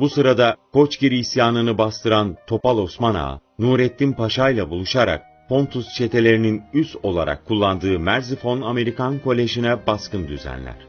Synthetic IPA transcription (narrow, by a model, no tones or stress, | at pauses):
busɯɾad̪ako̞t͡ʃciɾiisjaːnɯnɯbast̪ʰɯɾant̪ʰo̞palˠo̞smana̰nuːɾɛt̪ʰːinpaʃajlˠabulˠuʃaɾa̰k̚ | pʰo̞nt̪ʰust͡ʃʰe̞t̪ʰe̞lʲe̞ɾininyso̞lˠaɾa̰kʰːulˠːand̪ɯːmæɾzifo̞name̞ɾikanko̞lʲe̞ʒinɛbaskɯnd̪yzæ̰nlʲæ̰ɾ̥